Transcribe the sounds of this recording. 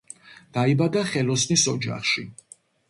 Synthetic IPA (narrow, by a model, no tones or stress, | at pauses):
d̪̥aibad̪aχɛlɔsnisɔd͡ʒa̰χʃi